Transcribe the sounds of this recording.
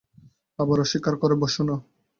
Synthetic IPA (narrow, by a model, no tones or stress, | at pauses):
abaɾɔʃikaɾkɔɾeboʃuno